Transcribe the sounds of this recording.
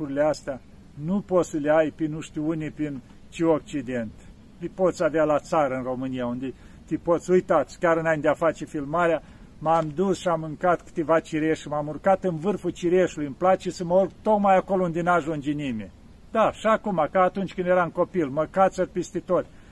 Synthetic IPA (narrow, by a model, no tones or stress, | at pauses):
uɾileast̪ea | nupot̪səleajpinuʃt̪iunipin | t͡ʃiok̚t͡ʃid̪e̞nt̪ | lipot̪sʲavealat̪saɾəɨnro̞mɨnijaund̪e | t̪ipot̪sʲujt̪at̪sʲkʲaɾɨnajnd̪eafat͡ʃe̞filmaɾea | mamd̪usʃiamɨŋkat̪kɨ̥t̪evat͡ʃiɾeʃʲmamurkat̪ɨnvɨrfut͡ʃiɾeʃt̪ulujɨmplat͡ʃesəməulɡt̪okmajakolound̪enaʒund͡ʒinimʲe | d̪aʃiakumakəat̪unt͡ʃʲkɨnd̪jeɾako̞pilməkat̪sʲərpest̪et̪otʲ